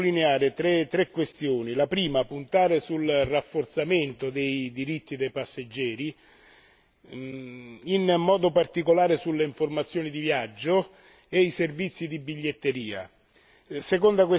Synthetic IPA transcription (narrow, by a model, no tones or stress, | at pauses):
lineaːɾet̪ɾet̪ɾekːwest̪joːnilapɾiːmapunt̪aːɾesulrafːort̪sament̪od̪ejd̪iɾit̪ːid̪ejpasːed͡ʒːɛːɾi | inmɔːd̪opart̪ikolaːɾesulːeiɱformat̪sːjoːnid̪ivjad͡ʒːo | eiservit̪sːid̪ibiʎːet̪ːeɾiːa̰ | sekond̪akwe